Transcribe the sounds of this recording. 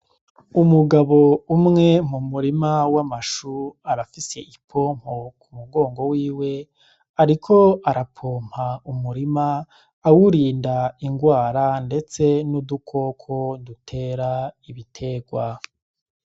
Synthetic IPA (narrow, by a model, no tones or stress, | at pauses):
umuɡaβo̞umŋe̞m̥umuɾimawamaʃuaɾafise̞ʔipʰo̞ːm̥hokʰumuɡo̞ːŋɡo̞wiːwe̞ | aɾikʰo̞aɾapʰoːm̥haumuɾimaː | wuɾiːndaiŋɡwaːɾande̞t͡se̞nudukʰo̞kʰo̞dutʰe̞ːɾaiβitʰe̞ːɡwa